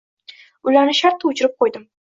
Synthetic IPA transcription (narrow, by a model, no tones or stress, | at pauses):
ʊlaɾnɪʃaɾt̪ʰːaʊt͡ʃʰɪɾɪp̚qʰojd̪ɪm